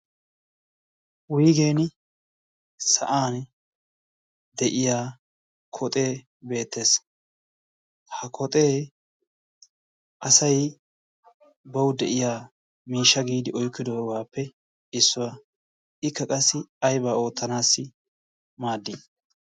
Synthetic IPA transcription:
wʊjɡe̞ːnɪ | sɐ̰ʔaːn | d̪ɛʔɪjaː | kʰɔt̪ʼe̞ː | be̞ːt̪ːe̞ːs | hɐkʰɔt̪ʼe̞ː | ʔɐsɐj | bɐwd̪ɛʔɪjaː | miːʃːɐɡiːd̪ɪʔɔjkːɪd̪ɔɡaːpːɛ | ɪsːɔwa | ɪkːɐkʼɐsːɪɐjbaːo̞ːt̪ːɐnaːsːɪ | maːd̪ːiː

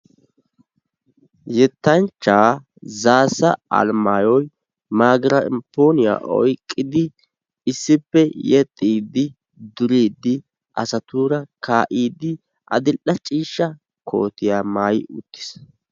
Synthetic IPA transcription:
jɛt̪ːɐnt͡ʃːaː | zaːsɐɐ̰lmaːjɔj | maːɡɾɐɪ̰mpːoːnɪja̰ːʔɔ̰jkʼːɪd̪ɪ | ɪsːɪpːɛjɛt̪ʼːiːd̪ɪ | d̪ʊɾiːd̪ɪ | ʔɐ̰sɐt̪uːɾɐkaːʔiːd̪ɪ | ʔɐ̰d̪ɪʔɐt͡ʃʼiːʃːɐ | kʰo̞̰ːt̪ɪjaːmaːjɪʊ̰t̪ːɪ̥s

